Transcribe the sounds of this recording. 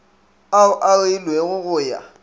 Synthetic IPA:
aʊʔailwɛɣʊɣʊːja̰

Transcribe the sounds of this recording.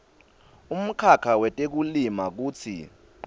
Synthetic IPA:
um̩kʰakʰawɛtʼek̬ulimak̬uːt͡sʰḭ

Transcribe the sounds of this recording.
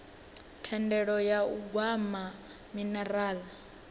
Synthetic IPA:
tʰɛndɛɺɔjauɡwama | minɛɾaːl

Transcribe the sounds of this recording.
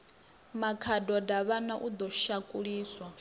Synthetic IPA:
makʰadɔdaβanaʔud̪ɔʃakʼuɺiːswa

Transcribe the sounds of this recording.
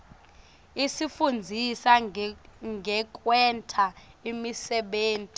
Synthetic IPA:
isifund͡zʱisa | ŋɡʱɛk̬ʼwɛntʰaimisɛɓeːntʼi

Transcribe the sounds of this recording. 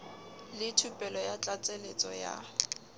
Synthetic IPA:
lɪtʰupʼɛlɔjat͡ɬʼat͡sʼelet͡sʼɔ̰ja̰

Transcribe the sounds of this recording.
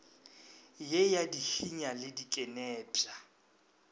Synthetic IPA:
jejadiɬiɲalɪdikʼɛnɛːpʼa

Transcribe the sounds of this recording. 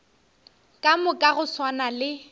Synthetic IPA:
kʼamʊkʼaɣʊswanalɪ

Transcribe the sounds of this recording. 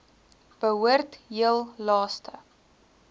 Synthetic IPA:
b̥əɦuərtɦiəlˠlɑːstʰə

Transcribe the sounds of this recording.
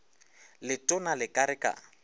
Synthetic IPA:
lɪtʼʊnalɪkʼaɾɪkʼa̰

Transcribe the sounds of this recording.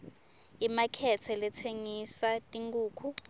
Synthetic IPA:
imakʰɛtʰɛlɛtʰeŋisatʼiŋɡuːkʰu

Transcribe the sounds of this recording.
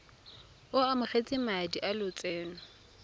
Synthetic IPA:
ʊamʊχet͡sʼɪmadiʔalʊt͡sʼɛːnɔ

